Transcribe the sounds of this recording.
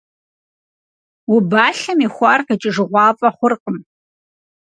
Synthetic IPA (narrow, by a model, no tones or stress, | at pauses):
wʊbaːɬɐmixʷɑːrqit͡ʃʼɪʐɨʁʷɑːfʼɐχʷʊrqʼəm